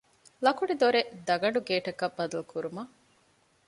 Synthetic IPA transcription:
lɐkuɖid̪oɾed̪ɐɡɐɳ̆ɖuɡeːʈɐkɐbːɐd̪ɐlukuɾumɐ

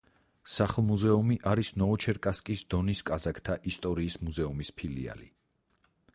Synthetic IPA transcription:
saχlˠmuzɛumiʔaɾisnɔːt͡ʃʰɛɾkʼaskʼisd̪̥ɔniskʼazakʰt̪ʰaʔist̪ʼɔɾiːsmuzɛumispʰilia̰li

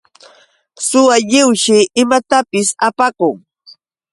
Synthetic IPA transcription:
sʊwaʎɪwʃɪɪmat̪apɪsapakʊŋ

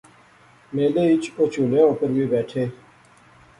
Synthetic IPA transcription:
meːleːɪt͡ʃoːt͡ʃʰuːlẽːõːkəɾbiːbɛːʈʰeː

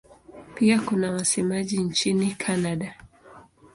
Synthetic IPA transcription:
piakunawasɛmaʄint͡ʃinikʰanaɗa

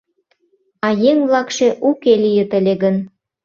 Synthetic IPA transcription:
ɑjeŋβlɑkʃeʔukelʲijə̆t̪ə̆lʲeɡən

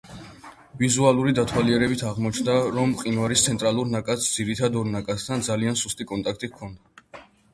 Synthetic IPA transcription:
vizualˠuɾid̪at̪ʰwaliɛɾɛbit̪ʰaʁmɔt͡ʃʰnd̪aɾɔmqʼinvaɾist̪sʰɛnt̪ʼɾalˠuɾnakʼat̪sd̪z̥iɾit̪ʰad̪ɔɾnakʼat̪st̪ʰand̪zaliansust̪ʼikʼɔnt̪ʼak̚ʰt̪ʼikʰɔnd̪a

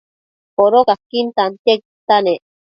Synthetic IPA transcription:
poɾokakːint̪ant̪ekit̪ane

